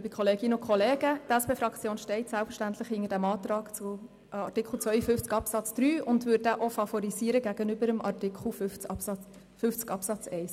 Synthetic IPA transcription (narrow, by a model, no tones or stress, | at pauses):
bikʰɔleːɡɪnəʊnkʰχɔleːɡ̥ətɛspeːfɾɑkʰt͡sjoːnʃtɛɪtsælpfəɾʃtænt̪ləχhɪnədæmɑːt̪ɾɑːkt͡sʊ | ɑtɪkʰl̩ˠt͡sʋœʏəfʏft͡skɑpsɑt͡sd̥ɾyːʊndʋʏdæʔofɑfɔɾiziːəɾəɡæɡ̥ənʏbəɾəmʔɑtɪkχl̩f | fʏft͡skɑpsɑt͡sɛɪs